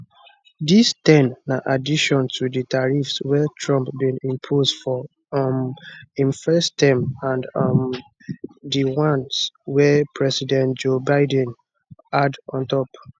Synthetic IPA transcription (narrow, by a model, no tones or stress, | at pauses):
distɛ̃nːaʔadiʃɔ̃ntʰudətaɹifswɛtʰɹɔ̃mpbĩnĩmpʰosdfɔ | mĩnfɛstɛ̃mãndm | diwãnswɛpʰɹɛsidɛ̃nt̚d͡ʒobaɪdɛ̃n | adɔ̃ntɔp